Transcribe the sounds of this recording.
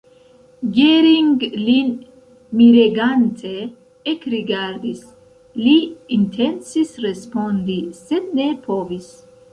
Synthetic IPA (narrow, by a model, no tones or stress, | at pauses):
ɡeɾiŋɡlin | miɾeɡant̪ʰe | ekɾiɡaɾd̪is | liːnt̪ʰensisɾespond̪ised̪nepʰovis